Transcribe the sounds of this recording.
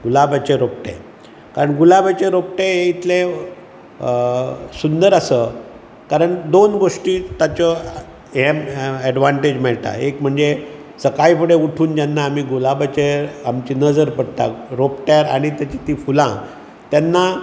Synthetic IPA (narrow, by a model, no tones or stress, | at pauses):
ɡulabat͡ɕeɾop̚ʈḛ | kaɾəɳɡulabat͡ɕeɾop̚ʈeɦeit̪ʰle | sund̪əɾəsə | kaɾəɳd̪onɡoʂʈiːt̪at͡ɕə | ɦemɛɖʋaɳʈed͡ʑmɛɭt̪a̰ekm̤əɳd͡ze | səkajfəɽeuʈʰuːnd͡ʑjanːaːm̤iɡulabat͡ɕeamt͡ɕinəd͡zəɾpəɽt̪a̰ɾopʈjaɾaɽ̃it̪jat͡ɕit̪ifulã | t̪janːa